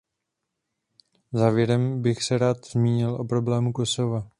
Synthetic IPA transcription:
zaːvjɛɾɛmbɪxsɛɾaːt̪zmiːɲɪlʔo̞̰pɾo̞blɛːmuko̞so̞va

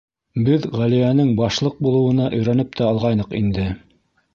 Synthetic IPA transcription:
bɘðʁælijænɘŋbɑʃlˠɤq̚bulˠɤ̆wɤ̆nɑʔɵ̆jɾænɘp̚t̪æɑlˠʁɑjnɤqḭnd̪ɘ

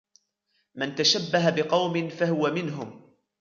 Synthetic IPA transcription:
mant̪aʃabːaɦabɪqɑwmɪnfahʊwamɪnɦʊm

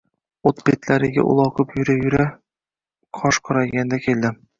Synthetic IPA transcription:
ot̪bet̪læɾɪɡʲa̰ʔʊ̰lˠɒqɤpjɵɾajɵɾa | qʰɒʃqʰɒɾajɡʲand̪akʲʰeld̪ɪ

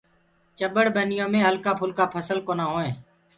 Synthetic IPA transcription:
t͡ʃəbəɽbənɪjõːmẽːɦəlkaːpʰʊlkaːpʰəsəlkoːnaːɦoːẽː

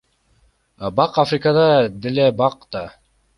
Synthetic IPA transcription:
bɑqafrʲɪkad̪ɑd̪elebɑqd̪ɑ

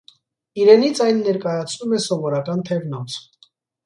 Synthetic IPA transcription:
iɾɛnit͡sʰɑjnːɛɾkɑjɑt͡sʰnumɛsɔvɔɾɑkɑnt̪ʰɛvnɔt͡sʰ

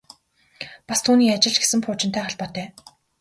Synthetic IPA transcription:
past̪ʰuːniːat͡ɕɪ̆ɮt͡ɕɡe̥sɘ̆mpʰʊːt͡ɕɪ̆nt̪ʰæːχaɮpɔːt̪œː

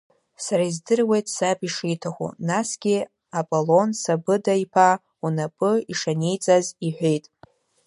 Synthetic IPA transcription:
saɾaizdɨrwe̞jtʼsapʼiʂijtʰaχʷṵnasɡ̥ʲi | apʼolo̞nsabɨdaipʰa | unapʼɨiʂanejt͡sʼaziħʷᶣejtʼ

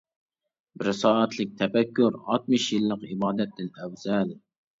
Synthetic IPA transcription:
bɪɾsɑːɑt̪lɪk̚ʲt̪ʰɛfɛkʲːuɾɑ̰t̪̚mɨʃjɨlˠːəqibɑːd̪ɛt̪̚d̪ɪnɛwzɛl

